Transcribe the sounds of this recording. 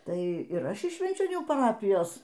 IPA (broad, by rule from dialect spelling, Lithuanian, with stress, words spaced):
ˈtɐɪ ɪr ˈɐʃ ɪʃ ʃʲʋʲɛnʲt͡ʃʲoːˈnʲuː pɐˈrɑːpʲɪjoːs